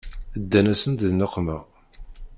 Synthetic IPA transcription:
əd̪ːænæsənt̪ðnəqːmæ

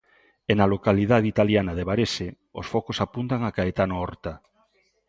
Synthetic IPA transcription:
enalokalið̞aðit̪aljanaðeβaɾese | o̰sfɔkosapunt̪aŋakaet̪anoɔɾt̪a

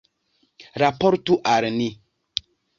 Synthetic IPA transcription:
ɾapɔɾtuʔaɾɨni

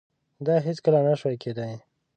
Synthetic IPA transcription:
d̪ɑɦɪt͡skəlanaʃwajked̪aj

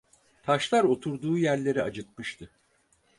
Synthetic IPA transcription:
t̪ʰaʃlˠaɾo̞t̪ʰuɾd̪uːjæɾlʲe̞ɾiad͡ʒɯt̪̚mɯʃt̪ʰɯ

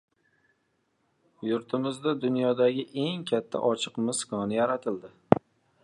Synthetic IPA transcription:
jʊɾt̪ʰɪmɪzd̪ad̪ʊnjɒd̪aɡʲɪʔe̞ŋkʲʰat̪ʰːa̰ʔɒt͡ʃʰɨqmɪskʰɒnɪjaɾat̪ʰɪld̪ɪ

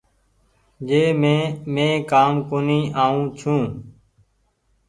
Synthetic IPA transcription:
d͡ʒeːmẽːmẽːkaːmkoːniːʔaːũːt͡ʃʰũː

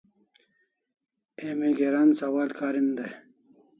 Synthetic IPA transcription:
emiɡeɾansɐwaːlkaːɾind̪e

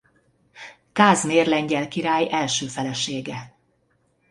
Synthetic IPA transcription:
kaːzmeːrlɛɲɟɛlkiɾaːjɛlʃøːfɛlɛʃeːɡɛ

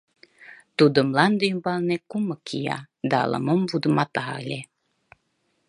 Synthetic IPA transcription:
t̪ud̪ə̆mlɑnd̪yjmbɑlnekumɤkʰijɑ̰ | d̪ɑ̰ːlˠə̰məmvud̪əmɑt̪ɑɑ̰lʲe

